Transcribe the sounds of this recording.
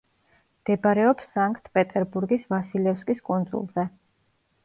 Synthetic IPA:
md̪̥ɛbaɾɛɔpsːaŋkʼt̪ʰpʼɛt̪ʼɛɾbuɾɡisvasilɛfskʼiskʼund̪zʼṵlˠzɛ

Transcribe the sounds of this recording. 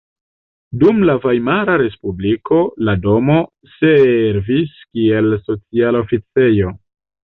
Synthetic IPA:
dumlavajmaɾaɾe̞spubliko̞lado̞mo̞ | seɾviskie̞lso̞t͡sialo̞fit͡se̞jo̞

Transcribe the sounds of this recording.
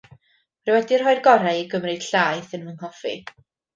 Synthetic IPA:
prɨwɛdir̥ɦɔɨrɡɔɾajiɡəmrɨd̥ɬaːjθɨnvənhɔfḭ

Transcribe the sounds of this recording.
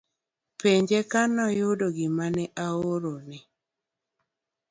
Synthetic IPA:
peɲd͡ʒekanɔjʊdoɡɪmanɛʔaoɾonɪ

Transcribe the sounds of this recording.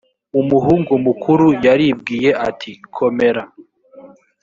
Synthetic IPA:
umuɦuːŋɡumukʰuɾujaɾibɡiːje̞ʔatʰikʰo̞me̞ɾa

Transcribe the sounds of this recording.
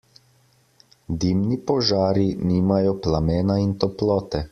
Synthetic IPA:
d̪imnipɔʒaːɾiniːmajɔplamɛːnaint̪ɔplɔːt̪ɛ

